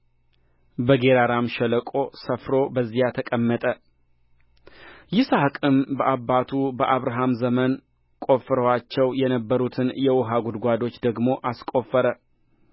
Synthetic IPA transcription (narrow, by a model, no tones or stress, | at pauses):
bəɡeɾaɾamʃɛləkʼo̞səfɾo̞bəzːijat̪ʰəkʼəmːət̪ʼə | jɪsahkʼɨmbəʔabːat̪ʰubəʔaβɾaɦamzəmən | kʼo̞fɾəwat͡ʃːɛwjɛnəbːəɾut̪ʰɨnjɛwɔɦaɡud̪ɡʷad̪o̞t͡ʃːd̪əɡmo̞ʔaskʼo̞fːəɾə